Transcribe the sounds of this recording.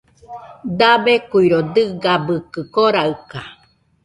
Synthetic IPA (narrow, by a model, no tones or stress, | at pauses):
d̪abekuiɾod̪ɨɡabɯkɨkoɾaɯka